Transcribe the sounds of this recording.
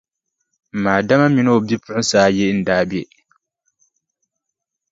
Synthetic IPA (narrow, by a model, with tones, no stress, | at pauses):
m̩˨maː˨da˦ma˦mi˦no˦˨bi˦pʊ˦ʊ˦saː˦jɛ˦n̩˨daː˦bi˦ɛ˨